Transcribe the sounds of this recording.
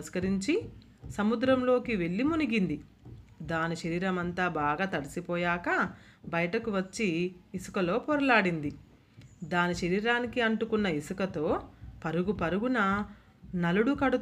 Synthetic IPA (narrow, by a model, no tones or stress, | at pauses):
ɐskɐɾiɲt͡ʃi | sɐmud̪ɾɐmlo̞ːkiʋe̞ɭːimuniɡind̪i | d̪aːniʃɐɾiːɾɐmɐnt̪aːbaːɡaːt̪ɐɾisipɔːjaːkɐ | bɐjɐʈɐkuʋɐt͡ʃːiːsu̥kɐlo̞ːpɔːɾɐlaːɽind̪i | d̪aːniʃɐɾiːɾaːnikiɐɳʈukunːɐisukɐt̪o̞ːpɐɾuɡupɐɾuɡunɐ | nɐluɽukɐɽu